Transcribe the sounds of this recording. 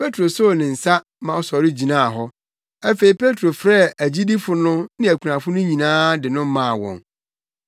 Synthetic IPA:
pʰe˦tʰɾo˨so˦˨nɪ̃˨n̩˨sa˦ | mã˨ɔ˨sɔ˨ɾɪ˦d͡ʑi˨nã˦a˨ɦɔ˦ | æ˦fe˨i˨pʰe˦tʰɾo˨fɾɛ˦˨æ˨d͡ʑi˦di˦fʊ˦nʊ̃˦nɪ̃˦æ˨kʰu˨nã˨fʊ˦nʊ̃˦ɲĩ˨nãː˦dɪ˨nʊ̃˦mã˦˨wɔ̰̃˨ŋ

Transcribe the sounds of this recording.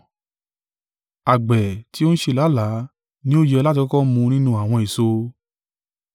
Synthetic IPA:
a˨ɡ͡bɛ˨ti˨˦o˦ñ̩˦ʃe˧˨la˨˦la˨˦ | nĩ˦o˦˨jɛ˧la˦t̬i˧kɔ˦kɔ˦mũ˧nĩ˦nũ˧a˨w̃ɔ̃˧i˨so˧

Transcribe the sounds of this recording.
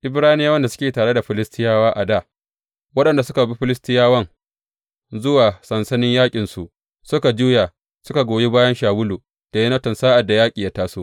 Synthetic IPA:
ʔɪ˨˦bɽaː˦nɪ˦jaː˦wɐ˦nda˨sʊ̥˦kʲeː˨taː˨ɽe˦da˨ɸɪ˨lɪ˦stʰɪ˦jaː˦waː˦ʔa˨daː˦˨ | wɐ˦ɗɐ˨nda˨sʊ˦ka˨bi˦ɸɪ˦lɪ˦stɪ˦jaː˦wɐ˦ŋ | zʊ˦waː˨sɐ˨nsɐ˦nɪ˦ɲjaː˦kʲʼɪ˨nsu˨ʔ | sʊ˦ka˨d͡ʒuː˦ja˨ | sʊ˦ka˨ɡʷoː˨ji˦baː˦jɐ˦nʃaː˨wʊ˦luː˨ | d̥a˨jɐ˦nɐ˦tɔ˨nsaː˦ʔa˨dːa˨jaː˦kʲʼiː˨ja˦taː˦su˦

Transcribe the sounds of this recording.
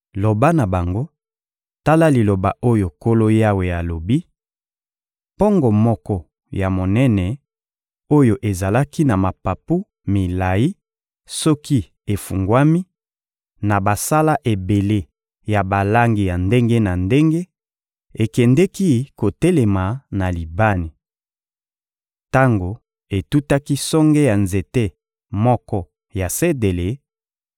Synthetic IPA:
lo˨ba˦na˨ba˨ŋɡo˦ | ta˦la˦li˨lo˨ba˨ʔo˦jo˨ko˦lo˦ja˦we˨ja˨lo˨bi˦ | pɔ˦ŋɡɔ˨mɔ˦kɔ˦ | ja˨mo˨nɛ˦nɛ˨ | o˦jo˨ʔe˨za˨la˦ki˦na˨ma˨pa˨pu˦ | mi˨la˨i˦ | sɔ˦ki˦ | e˨fu˨ŋɡwa˦mi˦ | na˨ba˨sa˦la˦ʔe˨be˨le˦ | ja˨ba˨la˦ŋɡi˨ja˨nde˦ŋɡe˦na˨nde˦ŋɡe˦ | e˨kɛ˨ndɛ˦ki˦ko˨te˦le˨ma˨na˨li˨ba˦ni˨ | ta˦ŋɡo˨ | e˨tu˦ta˦ki˦sɔ˦ŋɡe˦ja˨nze˨te˦ | mɔ˦kɔ˦ | ja˨se˦de˨le˨˦

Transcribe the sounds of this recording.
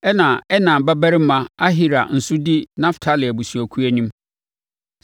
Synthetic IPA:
ɛ˦nã˨ɛ˦nã˨bɛ˦bɛ˦ɾɪ˦m̩˦mã˦a˦ɦi˦ɾa̰˨n̩˨sʊ˦di˦nã˦ftʰa˦lɪ˨a˨bu˨su˨ɔ˨kʰu˦æ˨˦nĩ˦m

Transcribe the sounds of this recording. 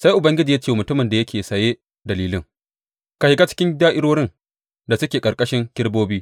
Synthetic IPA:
sa˦jʔʊ˨bɐ˦ŋɡʲɪ˦d͡ʒi˨ja˦t͡ʃeː˦˨mʊ˨tʊ˦mɪ˨nda˨jɐ˦kʲʰeː˨sɐ˨je˦ | dɐ˨liː˦lɪ˦ŋ | ka˨hɪ˨ka˦t͡ʃɪ̥˦kʲɪ˦ndaː˦ʔɪ˦ɽoː˦ɽɪ˦n | da˨sʊ˦kʲeː˨kʼɐ˨kʼɐ˦ʃɪ˦ŋkʲɪ˦ɽboː˦biː˦

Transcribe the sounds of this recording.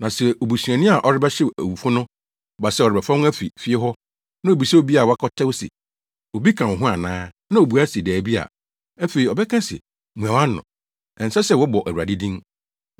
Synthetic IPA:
nã˨sɛ˨ʔo˨bu˨su˨æ̃˨nĩ˦a˨ʔɔ˨ɾɪ˦bɛ˦ɕɛ˦æ̰˨wu˨fʊ˦nʊ̃˦ | ɔ˨ba˨sɛ˦˨ɔ˨ɾɪ˨bɛ˨fɔ̃˦ŋ˦æ˦fi˨fi˦e˦ɦɔ˦ | nã˦o˨bi˨sɛ˦o˦˨bi˦a˨wkʰɔ˦tʰɛ˦wsɛ̰˨ | o˨bi˦kʰã˨wʊ̃˨ɦʊ̃˦a˨nãː˦ | nã˦o˨bu˨a˦si˨dæː˨bi˦a̰˨ | æ˦fe˨ɾi˨ɔ˨bɛ˦kʰã˦sɛ̰˨ | mũ˨ã˨wã˦nː˦ʊ̰̃˨ | ɛ̃˨n̩˨sɛ˦sɛ˦˨wɔ˦bɔ˨ʔæ˨a̰˨dɪ˦dĩ˦n

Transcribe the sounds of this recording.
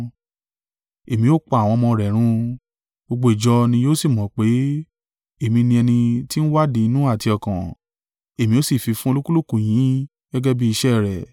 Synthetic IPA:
e˨mĩ˧˦o˦k͡pa˧˨a˨w̃ɔ̃˧mɔ̃˧ɾɛ˨ɾ̃ũ˧ | o˧ɡ͡bo˧i˨d͡ʒɔ˧nĩ˧jo˦si˦˨mɔ̃˨˦k͡pe˨˦ | e˦˨mĩ˧nĩ˧ɛ˧nĩ˧ti˦n̩˦wa˦di˧˦i˧nũ˦a˦˨ti˧ɔ˨kã˨ | e˨mĩ˧˦o˦si˦˨fi˨˧fũ˦o˧lo˦ku˦lu˦kũ˨j̃ĩ˨˦ | ɡ̥ɛ˦ɡɛ˦bi˦i˧ʃɛ˦˨ɾɛ˨

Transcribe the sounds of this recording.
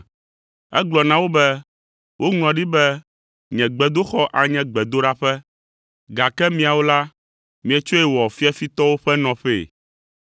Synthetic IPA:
ɛ̰˦ɡ͡blɔ˨nã˨wo˦bɛ˦ | wʔo˦ŋũ˨ɔ̃˨ɖi˦bɛ˦ | ɲɛ̃˨ɡ͡bɛ˨d̪o˦xɔ˦ʔa˨ɲɛ̃˦ɡ͡bɛ˨d̪o˦ɖa˦ɸɛ˦ | ɡa˨kɛ˦mĩ˨a˨wo˦la˦ | mĩ˨ɛ˨t͡ʃo˦ɛ˨wɔ˨fi˦a˦fi˦t̪ɔ˦wo˦ɸɛ˦nɔ̃˨ɸḛ˨

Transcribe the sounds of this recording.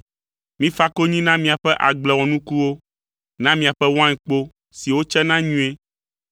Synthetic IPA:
mĩ˦fa˦ko˦ɲĩ˦nã˦mĩ˨a˨ɸɛ˦ʔa˨ɡ͡blɛ˨wɔ̃˨nũ˦ku˦wo˦ | nã˦mĩ˦˨a˨ɸɛ˦wã˦ɛ̃˨k͡po˦ | si˨wo˦t͡ʃɛ˦nã˦ɲũ˦e˦

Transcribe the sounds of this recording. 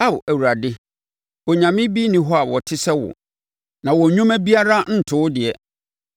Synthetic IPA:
a˦˨bæ˨wu˨ɾa˨dɪ˦ | wɔ˨ɲã˨mɪ̃˦bi˦nĩ˨ɦɔ˦a˨wɔ˨tʰɪ˦sɛ˦wɔ̰˨ | nã˨wɔ˨ɲũ˦mæ˦bi˦a˦ɾa˦n̩˦tʰʊː˦ʊ˦dɪ˨ɛ˨

